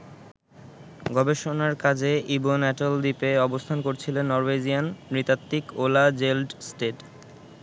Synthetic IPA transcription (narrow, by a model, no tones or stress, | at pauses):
ɡɔbeʃonaɾkad͡ʑeʔibonɛʈold̪ipeɔbost̪ʰankoɾt͡ɕʰilenːɔɾwed͡ʑijanːɾit̪at̪ːikolad͡ʑelɖsʈeʈ